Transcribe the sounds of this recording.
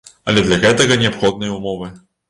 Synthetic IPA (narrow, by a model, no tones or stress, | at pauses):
ɐ̰lʲɛd̪lʲɐɣɛt̪ɐɣɐnʲɛapxɔd̪nɨjɐumɔvɨ